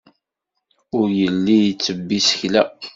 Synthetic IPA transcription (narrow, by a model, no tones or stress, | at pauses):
ʊɾjəlːijt͡sːəbːisə̥çlæ